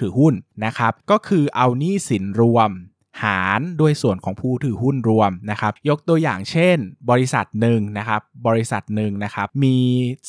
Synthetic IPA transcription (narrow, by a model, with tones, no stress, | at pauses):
t̪ʰɯː˨˩˦hu˥˩nna˦˥kʰa˦˥p̚kɔː˥˩kʰɯː˧ʔa˧wniː˥˩si˩˦nɾu˧əm | haː˩˦nduː˧əjsu˨˩ənkʰɔː˩˦ŋpʰuː˧˩t̪ʰɯː˨˩hu˥˩nɾu˧əmna˦˥kʰa˦˥p̚jo˦˥k̚t̪u˧əja̰ː˨˩ŋt͡ɕʰe˥˩nbɔː˧ɾi˦˥sa̰˨˩t̪̚nɯ˨˧ŋna˦˥kʰa˦˥p̚bɔː˧ɾi˧˥sa̰˨˩t̪̚nɯ˨˧ŋna˦˥kʰa˦˥p̚miː˧